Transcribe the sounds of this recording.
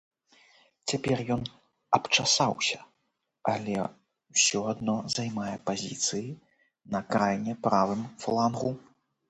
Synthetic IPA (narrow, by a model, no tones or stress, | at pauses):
t͡sʲapʲɛrjɔn | ɐpt͡ʂasawsʲɐ̥ | ɐlʲɛ | wsʲɔad̪nɔzajmajɛpazʲḭt̪sɨji | nɐkɾajnʲɛpɾavɨmflˠanɣu